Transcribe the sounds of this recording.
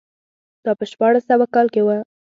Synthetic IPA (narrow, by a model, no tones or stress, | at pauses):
d̪̥ɑpəʃpɑɽasawakɑlkewa